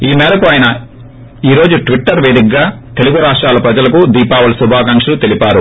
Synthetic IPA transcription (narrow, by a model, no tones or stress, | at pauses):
iːmɛːɾɐkuaːjɐnɐ | iːɾo̞ːd͡ʒuʈʋiʈːɐɾʋeːd̪ikɡaːt̪e̞luɡuɾaːʂʈɾaːlɐpɾɐd͡ʒɐlɐkud̪iːpaːʋɐlɐsubʱaːkaːŋkʂɐlut̪e̞lipaːɾu